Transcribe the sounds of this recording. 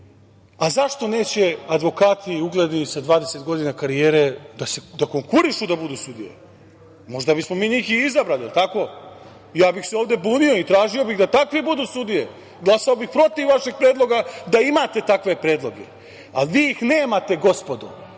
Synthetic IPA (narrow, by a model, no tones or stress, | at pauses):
azaʃt̪o̞ne̞ːt͡ɕe̞ad̪ʋo̞kaːt̪ʰiuɡled̪nisad̪ʋaːd̪ese̞t̪ɡo̞d̪inakaɾijeːɾed̪ase̞d̪akoŋkuɾiʃud̪abud̪usud̪ḭjḛ | mo̞ʐd̪abismo̞miːnikiizabɾalijelˠt̪ako̞ | jaːbixseoːvd̪e̞buːnioit̪ɾaːʒio̞biɣd̪at̪akʋibud̪usud̪ije | ɡlˠasaobixpɾo̞t̪iʋːaʃeɡ̚pɾe̞ːd̪lˠo̞ɡad̪aimaːt̪e̞t̪akʋe̞pɾe̞ːd̪lˠo̞ɡḛ | alʋiːixneːmat̪e̞ɡo̞spo̞d̪o̰